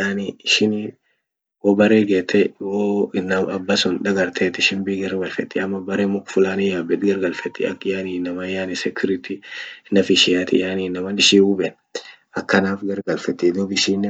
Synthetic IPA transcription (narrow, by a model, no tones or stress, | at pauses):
jaːniɪʃɪn | woːbɐreːɡeːt̪ʰːɛwoɪnːɐɐbːɐsʊnᶑ̪ɐɡɐɾt̪ʰeːt̪ɪʃɪnbɪɡɐɾɡɐlfɛt̪ːɪɐmːɐbɐɾeːmʊkfʊlaːnɪjaːbɛt̪ɡɐɾɡɐlfɛt̪ːɪɐ̰kːjaːniːnːɐmɐjaːnɪsɛkʰʊɾɪt̪iɪnːɐfɪʃɪjaːt̪ɪ̰jaːniːnːɐmɐnɪʃiːʊbɛn | ɐkːɐnaːfɡɐɾɡɐlfɛt̪ːɪd̪ɔbɪʃiːnː